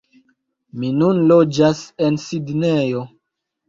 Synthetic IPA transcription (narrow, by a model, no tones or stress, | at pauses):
minunlod͡ʒasensidnejo